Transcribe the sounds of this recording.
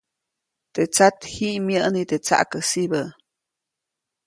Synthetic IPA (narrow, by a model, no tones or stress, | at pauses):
t̪et͡sat̪hiʔmjəʔnit̪et͡sa̰ʔkəsibə